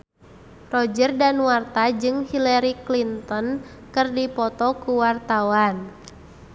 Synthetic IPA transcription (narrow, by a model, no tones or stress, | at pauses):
rɔd͡ʒərdanwart̪ad͡ʒɨŋhilɛɾiklint̪ɔn | kɨrdipɔt̪ɔkuwart̪awan